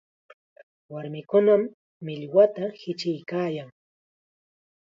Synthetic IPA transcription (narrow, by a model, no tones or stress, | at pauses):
waɾmɪkʊnamː | ɪʎwat̪ahɪt͡ʃɪjkaːjaŋ